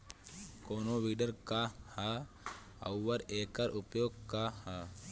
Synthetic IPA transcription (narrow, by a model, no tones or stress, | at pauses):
koːnoʋiːɖəɾkaha | ɐ̰wːɐɾeːkaɾʔupjoːɡ̚kaha